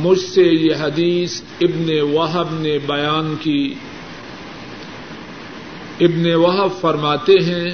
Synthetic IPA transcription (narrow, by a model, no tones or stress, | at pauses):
mʊd͡ʒʱsejeɦɐd̪iːs | ɪbnewɐɦəbnebɐjaːnkiː | ɪbnewɐɦəbfɐɾmaːt̪eɦɛ̃ː